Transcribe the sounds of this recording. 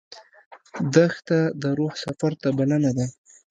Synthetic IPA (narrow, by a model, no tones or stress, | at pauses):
d̪axt̪ad̪əɾohsafaɾt̪abalanad̪a